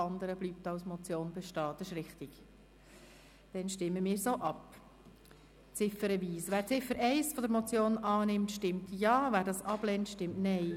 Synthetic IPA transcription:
ɑnd̪əɾəbliːp̚tɑwsmɔt͡sjoːnbɛʃtɑːd̥̪ɑʃɾɪχtɪɡ̥ | d̥ɛnʃtɪmːəmiːɾsoʔɑp | t͡sɪfəɾəʋiːsʋæːɾt͡sɪfəɾʔɛɪsfɔdəɾmɔt͡sjoːnɑːnɪmtʃtɪmtjɑːvæːɾdɑsɑb̥lɛntʃtɪmtnɛɪ

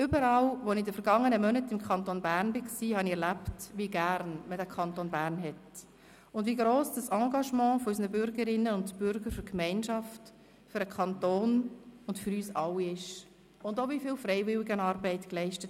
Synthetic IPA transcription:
ʏbəɾɑlʋonidəfəɾɡɑŋːənəmœnətɪmkʰɑntonbæːɾnbɪksiːhɑniɛɾlæptʋiɡæɾnmədækʰɑntoːnbæːɾnɦɛt | ʊndviɡɾoːsd̥ɑsɑ̃ːɡɑʃmɑ̃ːfɔysnəbʏɾɡəɾɪnːəʊndb̥ʏɾɡəɾfʏɾkmɛɪnʃɑft | fʏɾəkʰχɑntoːnʊndfʏɾyːsɑlːiɪʃ | ʊndovifiːlfrɛɪvɪwɪɡənɑːɾbɛɪtklɛɪʃtət

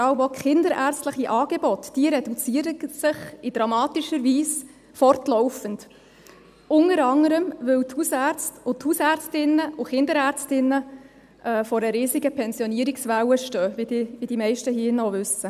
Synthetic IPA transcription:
fɑwvɔkχɪndəɾʔæːɾt͡stləχiʔɑːɡ̥ebɔtd̥iəɾɛdut͡siəɾəsɪχɪd̥ɾɑmɑːtiʃəɾviːs | fɔrtlɔʊfənd | ʔʊnəɾɑŋəɾəmʋɵwthusæt͡stʊthusæːɾt͡stɪnəʊχɪndəɾæːɾt͡stɪnːə | ʔɛːfɔɾəɾiːsiɡəpʰɛnzjɔniəɾiksʋæwəʃtœːvidiʋid̥imɛɪʃtəɦiːnɔvʏsə

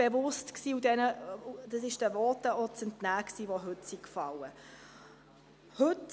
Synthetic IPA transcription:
b̥evʊstksiːudɛnəud̥ɑsɪʃd̥əvɔtəɔt͡sɛntnæːksiːʋoɦɵtsikfɑlə | hɵt

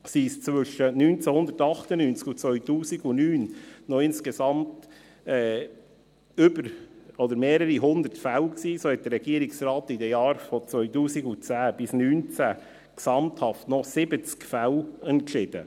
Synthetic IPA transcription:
siːst͡sʋʏʃənyːnt͡sæhʊnd̪əɾtɑχtənynt͡skʊt͡sʋœʏtuːsiɡʊnyːnnɔɪnskesɑmt | ɛː | ʏbəɾɔd̪əɾmeːɾəɾiɦʊnd̪əɾtfæwksiːsoːhɛt̚d̥̪əɾɛɡiəɾɪksɾɑːtɪdɛjɑːɾfɔt͡sʋœʏtuːsiɡʊt͡sæːb̥ɪsnyːnt͡sæ | ksɑmt̪hɑftnɔsɪbət͡skfæwɛntʃɪd̥ə̰

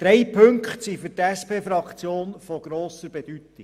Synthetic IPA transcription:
d̪̥ɾɛjpʰɵŋkχtsifyɾtæspʰeːfɾɑkt͡sjoːnfɔɡ̥ɾoːsəɾbɛd̥yt̪i

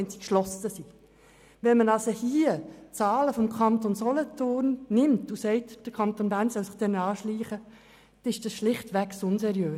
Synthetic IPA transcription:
ɛnsi̥kʃlɔsəsi | ʋɛnmənɑsohiːət͡sɑːləfɔmkʰɑnt̪onsɔlətʊrnːɪmtusɛɪtd̥əkʰɑnt̪onbæːɾnsœlsɪχd̥ɛnɑːʃliːχə | d̥ɪʃd̥ɑsʃlɪχtʋæksʊnsɛɾjøː

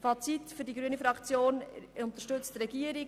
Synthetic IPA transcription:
fɑt͡sitfyɾdiɡɾyənifɾɑkt͡sjoːnʊnt̪əʃtɵt͡stɾɛɡiəɾi

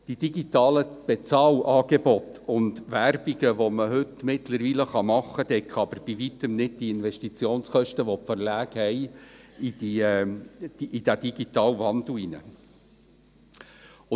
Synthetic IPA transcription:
d̥id̥iɡitɑːləb̥et͡sɑːlɑːɡ̥ebɔtʊndʋæɾb̥iɡəʋoməɦɵtmɪtləɾviːləχɑmɑχːəd̥̪ɛkʰɑb̥əɾb̥iʋit̪əmnɪd̚diɪnvɛʃtit͡sjoːnsχœʃtəʋɔpfəɾlæːɡ̥hɛjid̥i̥ | iʔːd̥æd̥iɡ̥it̪ɑːlʋɑnd̪l̩inə̰ | ʊ

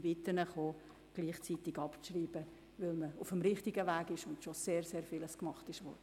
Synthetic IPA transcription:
bɪt̪ənəχoː | ɡ̥liːχt͡sit̪ɪɡɑpʃriːb̥ə | ʋɪlməʊfəmɾɪχtiɡəʋæːɡɪʃʊntʃoseːɾseːɾfɪləskmɑχtɪʃʋɔ̰ɾdə

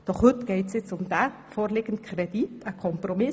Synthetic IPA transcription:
d̥ɔχhʏtɡ̥ɛɪtsjɪt͡sʊmdæ | foːɾleːɡ̥ənt̚kʰreditʰəkʰɔmpromɪ

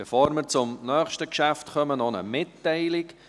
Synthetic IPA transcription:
befoːɾmɪɾt͡sʊmnœːχʃtəkʃæftχœmənɔnə̰mɪtːɛɪlɪk

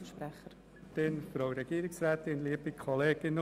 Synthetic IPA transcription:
əʃpɾæχəɾ | tɪnfɾaʊɾɛɡiːɾɪksræːt̪ɪnliːəb̥ikʰɔleːɡ̥ɪn

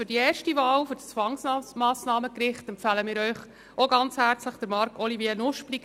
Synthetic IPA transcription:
fyɾdiɛːɾʃtivɑːlfʏɾdt͡sʋɑŋsɑmɑːsnɑːməkɾɪχtɛmpfɑːləmɪːɾœʏχ | ʔoɡɑnt͡shæːɾt͡sləχd̥əɾmɑɾkʰɔliviənʊʃplik

